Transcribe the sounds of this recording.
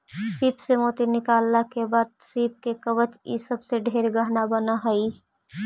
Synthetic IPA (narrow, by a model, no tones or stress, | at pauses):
siːpsemoːt̪inɪkaːlːakebaːd̪̚siːp̚kekəʋət͡ʃḭsəbseɖʱeːɾɡəɦnabənaɦəi